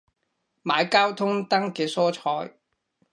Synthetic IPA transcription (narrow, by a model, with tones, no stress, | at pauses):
maː˨˧jkaː˥wt̪ʰʊ˥ŋt̪ɐ˥ŋkɛː˧sɔː˥t͡ʃʰɔː˧j